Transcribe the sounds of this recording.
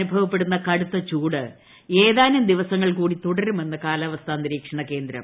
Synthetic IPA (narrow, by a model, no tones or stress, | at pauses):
nubʱɐʋɐpːe̞ɽunːɐkɐɽut̪ːɐt͡ɕuːɽɨ | e̞ːðaːnumd̪iʋɐsɐŋːɐɭkuːɽit̪uɽɐɾume̞nːɨkaːlaːʋɐst̪ʰaːnːiɾiːkʂɐɳɐke̞ːnd̪ɾɐ̰m